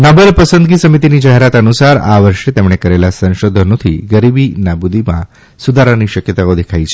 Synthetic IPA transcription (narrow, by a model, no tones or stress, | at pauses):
nəbəlpəsənd̪ɡisəmit̪inid͡ʒaɦeɾat̪ənusaɾa̰ʋəɾʃet̪emɳekəɾelasə̃ʃod̪ʱənõt̪ʰḭɡəɾibinabud̪imã̰ | sud̪ʱaɾaniʃəkjət̪aod̪ekʰajt͡ʃʰe̥